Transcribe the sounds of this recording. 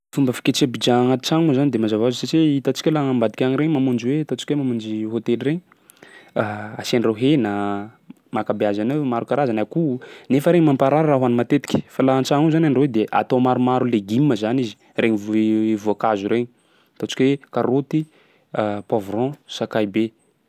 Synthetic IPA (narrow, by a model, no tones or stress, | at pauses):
fumbəfi̥ket͡ʃiabid͡ʒaaŋat̪i̥t͡ʃaŋuzanid̪emazavazsat͡ʃeit̪at͡ʃi̥kʲalaŋambad̪ikʲaŋiɾeɲmamund͡ʒiwet̪ot͡ʃi̥kʲwemamund͡ʒiɦot̪eliɾeɲ | aasenreɦena | makabeazanewmaɾukaɾazanakunefəɾeɲimampaɾaɾaɾaɦuanimat̪et̪i̥kʲi̥falaɦant͡ʃaŋuzanaɳɖ͡ʐwed̪eʔa̰t̪omaɾumaɾuleɡimːəzanizi̥ | reɲivvuakazuɾeɲi | t̪ot͡ʃi̥kʲwekaɾot̪i | pavrɔ̃sakajbe